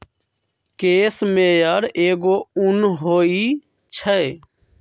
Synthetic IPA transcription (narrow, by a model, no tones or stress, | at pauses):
keːsmẽjəɾeːɡoʊnɦoːi | t͡ʃʰə